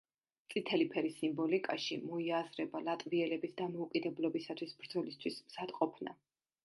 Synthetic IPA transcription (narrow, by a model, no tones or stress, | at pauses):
t̪sʼit̪ʰɛlipʰɛɾisimbɔlikʼaʃḭmɔiazɾɛbalˠat̪ʼviɛlɛbisd̪amɔukʼid̪ɛblˠɔbisat̪ʰwisbɾd̪zɔlist̪ʰwismz̥ad̪̥qʼɔpʰna̰